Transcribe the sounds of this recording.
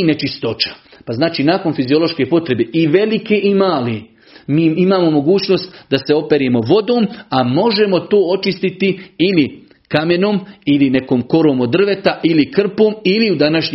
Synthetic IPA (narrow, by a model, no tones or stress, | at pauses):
net͡ʃist̪o̞t͡ʃḁ | paznaːt͡ʃiːnaːko̞nfizio̞lˠo̞ʃke̞ːpo̞t̪ɾe̞beʔiʋe̞like̞ʔimaːle | miːimaːmo̞mo̞ɡuːt͡ɕno̞ːst̪d̪ase̞o̞pe̞ɾje̞mo̞ʋo̞d̪o̞ːmamo̞ʒe̞mo̞t̪oːo̞t͡ʃist̪it̪iili | kame̞noːmiline̞koːmko̞ɾoːmo̞d̪r̩ʋe̞t̪aʔilikr̩poːmiliud̪anaʃɲ